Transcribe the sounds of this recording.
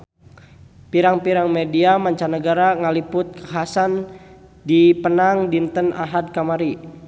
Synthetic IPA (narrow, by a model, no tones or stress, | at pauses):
piɾaŋpiɾaŋmediamaɲt͡ʃanəɡaɾaŋalipʊt̪̚kaɦasandipənaŋdint̪əna̰ɦad̚kamaɾi